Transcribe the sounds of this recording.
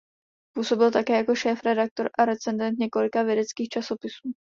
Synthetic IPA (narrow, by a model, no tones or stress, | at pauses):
puːso̞bɪlt̪akɛːjako̞ʃɛːfɾɛdak̚t̪o̞ɾʔaɾɛt͡sɛndɛnt̪ɲɛko̞lɪkavjɛdɛt͡skiːxt͡ʃaso̞pɪsuː